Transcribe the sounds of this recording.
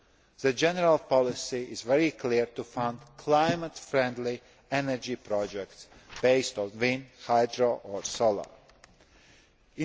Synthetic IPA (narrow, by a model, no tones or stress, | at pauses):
ðəd͡ʒɛnəɹalˠpɔlɪsiɪzvɛɹikʰliɹtufãndkʰlaɪmətfɹɛ̃ndli | ɛnəɹd͡ʒipʰɾɔd͡ʒɛk̚tsb̥eɪstɔ̃nvĩnhaɪdɹoʔɔɹsolˠə̰ | ɪ̃